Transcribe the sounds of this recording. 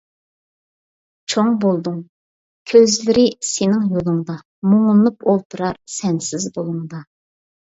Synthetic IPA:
t͡ʃʰoŋbolˠd̪uŋ | kʲʰøzlɪɾɪsenɪŋjolˠɨŋd̪ɑ | moŋunupolˠt̪ʰuɾɑɾsɛnsɪzbolˠuŋd̪ɑ

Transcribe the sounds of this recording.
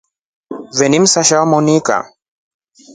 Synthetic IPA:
vɛnim̩saʃawamɔnika̰

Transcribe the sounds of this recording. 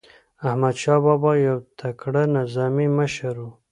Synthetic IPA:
ahmad̪ʃɑbɑbɑjawt̪ʰakɽanazɑmiməʃaɾu

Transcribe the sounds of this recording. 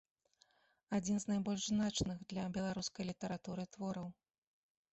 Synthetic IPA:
ad͡zʲinznajbɔlʲʐznat͡ʂnɨɣd̪lʲɐbʲɛlˠaɾuskɐjlʲit̪ɐɾat̪uɾɨt̪vɔɾɐw

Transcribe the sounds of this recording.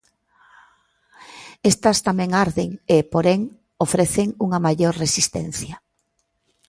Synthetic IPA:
est̪ɐst̪amɛ̃ŋaɾðeŋepoɾeŋ | ofɾeθeŋuŋɐmajoɾresist̪ɛ̰n̟θjɐ

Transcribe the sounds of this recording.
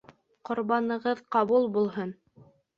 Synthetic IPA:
qŏɾβɑnɤ̆ʁɤðqɑβulˠbulˠɦɤn

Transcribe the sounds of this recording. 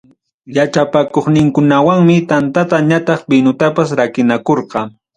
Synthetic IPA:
jat͡ʃapakoχnɪŋkʊnawaŋmɪt̪ant̪at̪aɲat̪ɑχbɪnʊt̪apasɾakɪnakoɾqɑ

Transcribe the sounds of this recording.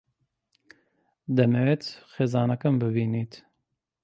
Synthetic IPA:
d̪ɛmɛwet̪xeːzɑːnɐkɐmbɨbiːniːt̪

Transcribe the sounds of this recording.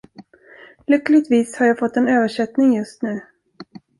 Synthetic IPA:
lʏkːlɪɡ̚t̪viːshaɾjɑːfɔt̪ːɛnøːvəʂɛt̪nɪŋjɵst̪nʉ̟ː

